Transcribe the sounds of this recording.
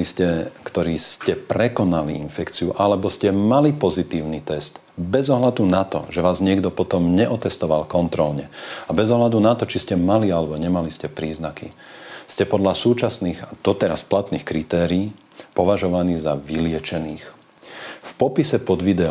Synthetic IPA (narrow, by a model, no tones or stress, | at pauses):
iscɛkt̪ɔɾiːscɛpɾɛkɔnaliinfɛkt͡siuʔalɛbɔscɛmalipɔzit̪iːʊnit̪ɛst̪ | bɛzɔɦlad̪unat̪ɔ̰ʒɛʋaːzɲɪɛɡd̪ɔpɔt̪ɔmɲɛʔɔt̪ɛst̪ɔʋalkɔnt̪ɾɔlɲɛabɛzɔɦlad̪unat̪ɔt͡ʃiscɛmalialɛbɔɲɛmaliscɛpɾiːznakḭ | scɛpɔd̪ʎasuːt͡ʃasniːxad̪̥ɔt̪ɛɾasplat̪niːxkɾit̪ɛːɾiːpɔʋaʒɔʋaniːzaʋilɪɛt͡ʃɛniːx | fpɔpisɛpɔd̪ʋid̪ɛ